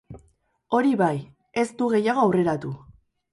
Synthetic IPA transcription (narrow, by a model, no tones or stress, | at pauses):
o̞ɾiβaj | e̞st̪uɣe̞jaɣ̞o̞awre̞ɾat̪u